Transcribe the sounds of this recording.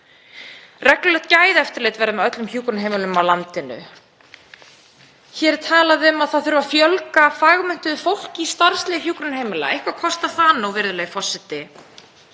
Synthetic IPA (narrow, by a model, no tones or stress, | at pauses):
rɛklʏlɛht̪̚caːjðɛft̪ɪɾlejt̪vɛɾðamɛðœt̪lʏmç̥uːkɾʏnɦejmɪlʏmawlant̪ɪnʏ̰ | çɛɾ̥t̪ʰaːlaðɪʏmaðθaðθʏɾvafjœlkafaːɣmʏn̥t̪ʏðʏfowl̥cist̪aɾ̥st̪lɛɣɪçuːkɾʏnhejmɪla̰ḛjhkvakʰɔst̪aθaːnawvɪɾðʏlɛːjɣfɔsːɪt̪ɪ